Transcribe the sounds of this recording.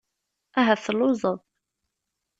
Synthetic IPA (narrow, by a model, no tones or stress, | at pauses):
æɦæθəlːʊzˤəðˤ